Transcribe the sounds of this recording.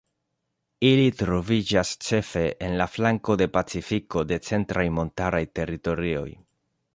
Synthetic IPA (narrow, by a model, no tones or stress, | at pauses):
ilitɾo̞vid͡ʒast͡ʃe̞fe̞ʔenlaflaŋko̞de̞pat͡sifiko̞de̞t͡se̞ntɾʔajmo̞ntaɾajte̞ɾito̞ɾio̞̰j